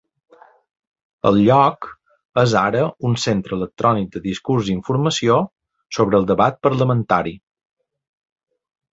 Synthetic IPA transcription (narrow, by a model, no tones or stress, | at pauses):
ə̰lˠʎɔk | əzaɾəunsent̪ɾəlˠək̚t̪ɾɔnik̚d̪əðiskuɾziɱfuɾməsio | soβɾəːlˠd̪əβat̪̚pəɾləmənt̪aɾi